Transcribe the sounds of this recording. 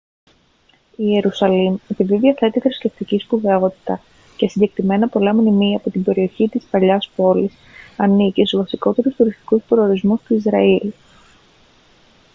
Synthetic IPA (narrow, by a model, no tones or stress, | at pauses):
ie̞ɾusɐlimepiðiðiɐθe̞t̪iθɾisce̞ft̪iciskuve̞o̞t̪i̥t̪ɐ | ce̞siɲɟe̞kɾime̞nɐpo̞lɐmnimiɐpo̞t̪ibe̞ɾio̞çit̪ispɐʎɐspo̞lis | ɐnicisuvɐsiko̞t̪e̞ɾust̪uɾist̪i̥kuspɾo̞oɾizmust̪uizɾɐil